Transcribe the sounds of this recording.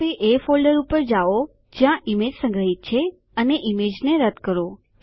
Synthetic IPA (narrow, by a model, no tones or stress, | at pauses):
eʔefolɖəɾupəɾd͡ʒaʋo | d͡ʒjãʔimed͡ʒsə̃ŋɡɾəɦit̪̚t͡ʃʰe | əneʔimed͡ʒneɾəd̪kəɾo | k